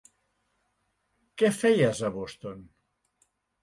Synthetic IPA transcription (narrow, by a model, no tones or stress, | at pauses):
kɛfɛjazəβost̪on